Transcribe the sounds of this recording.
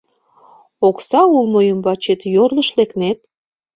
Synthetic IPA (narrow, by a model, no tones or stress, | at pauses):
oksɑulmojəmbɑt͡ɕet̪jorləʃleknet̪